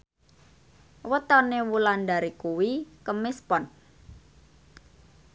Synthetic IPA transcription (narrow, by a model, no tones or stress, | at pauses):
wət̪ɔnewulandaɾikuwikəmɪspɔn